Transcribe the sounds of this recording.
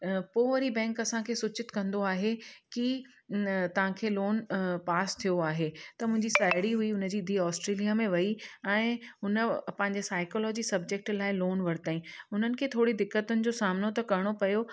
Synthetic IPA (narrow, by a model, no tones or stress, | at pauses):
poːʋɐɾibɛ̃ːŋkɐsãkʰeːsʊt͡ɕɪt̪kɐ̃nd̪oaːɦeki | t̪ɐʋ̤ãkʰeːloːnpaːst̪ʰijoaːɦet̪ɐmʊ̃ɦɪ̃ɲd͡ʑisaːɪɽiɦuiʊnə̆d͡ʑiːɪd̪ʱiːɔːsʈɾeːlijamẽʋɐiɛ̃ːʊnə̆pɐ̃ɦɪ̃ɲd͡ʑesaːɪkɔːlɔːd͡ʑisɐb̚d͡ʑek̚ʈlaːɪloːnʋɐɾt̪aːĩʊn̤ənɪ̆kʰeːt̪ʰoːɽid̪ɪkːət̪ʊnɪ̆d͡ʑoːsaːmnot̪ɐkɐɾɪɽ̃opɐjo